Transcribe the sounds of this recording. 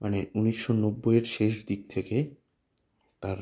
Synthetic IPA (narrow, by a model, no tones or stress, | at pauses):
maneuniʃːonobːojeɾʃeʃd̪ik̚t̪ʰeke | t̪aɾ